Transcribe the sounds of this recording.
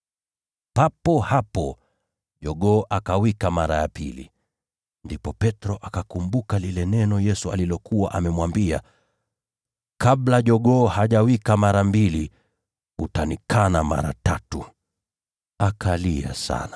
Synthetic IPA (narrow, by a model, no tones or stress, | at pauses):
papɔhapɔ | ʄɔɠɔʔakawikamaɾajapḭlḭ | ndipɔpɛtɾɔʔakakumbukalilɛnɛnɔjɛsua̰lilɔkuwaʔamɛmwambia̰ | kablaʄɔɠɔːhaʄawikamaɾambili | ṵtanikʰanama̰ɾa̰tatu | akʰalia̰sa̰na